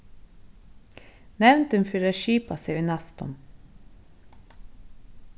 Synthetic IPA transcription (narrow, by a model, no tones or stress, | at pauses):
nɛʋnt̪ʉnfyːɾəʃiːpɑseʉnɑst̪ɔ̰m